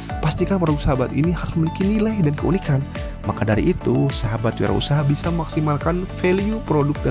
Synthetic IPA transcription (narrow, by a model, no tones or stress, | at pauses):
past̪ikapaɾuksaɦabat̪iniɦaɾʊsməlikinilajdankəunikan | makadaɾḭʔːt̪usaɦabat̪̚wia̰ɾa̰ṵsaɦabisaməmaksimalkanfeliupɾodʊk̚da